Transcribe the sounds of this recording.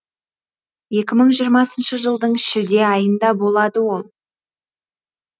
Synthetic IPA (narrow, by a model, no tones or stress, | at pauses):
je̞kʲɪməɴʒijəɾmɑsənʃəʒəlˠd̪əɴɪʃɪd̪e̞ɑjənd̪ɑbo̞lˠɑd̪əwo̞lˠ